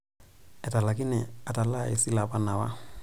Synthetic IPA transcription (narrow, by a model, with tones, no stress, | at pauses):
ɛ˨ta˨la˨ki˦nɪ˨a˨ta˨la˦˨ḛ˨si˦la˨pa˨na˨wa̰˦